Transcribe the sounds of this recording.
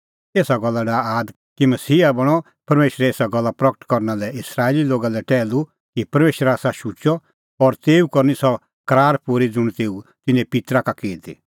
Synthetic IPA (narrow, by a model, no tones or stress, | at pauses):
eːsaɡɔlːaɖaːaːd̪ | kimɐsiːabɐɽ̃ɔ | pɐɾmeːʃɾɛeːsaɡɔlːapɾɐkə̥ʈkɔɾnalɛɪsɾaːeliloːɡalɛʈɛːlu | kipɐɾmeːʃɾɛaːsaʃut͡ʃɔ | ɔɾt̪eːukɔɾnisɔ | kɐɾaːɾpuɾid͡zʊɽ̃t̪eːut̪ɪnẽpɪt̪ɾakakeːd̪ḭ